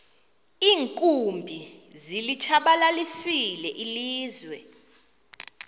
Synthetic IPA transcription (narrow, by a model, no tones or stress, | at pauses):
iːŋkʼumbʱizilit͡ʃʰaɓalalisilɛʔiliːzwɛ